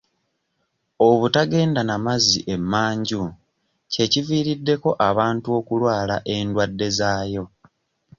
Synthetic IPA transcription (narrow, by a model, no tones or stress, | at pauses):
o̞βutaɡe̞ːndanamaziʔe̞mːaːɲɟu | ce̞civiːɾidːe̞ko̞ʔaβaːntuo̞kulwaːlaʔe̞ndwadːe̞zaːjo̞